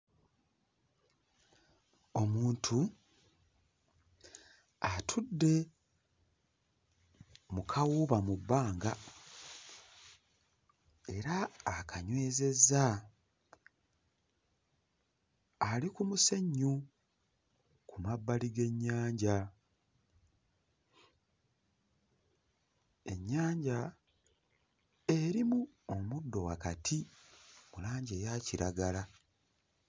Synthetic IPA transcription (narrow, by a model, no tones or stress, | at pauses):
o̞muːntʰu | atʰudːe̞ | mukʰawuβamubːaːŋɡa | e̞ɾaːkʰaɲwe̞ːze̞za | alikumuseɲːu | kumabːaliɡe̞ɲːaːɲɟa | e̞ɲːaːɲɟa | e̞ɾimu | omudːo̞wa̰katʰimulaːɲɟejaciɾaɡala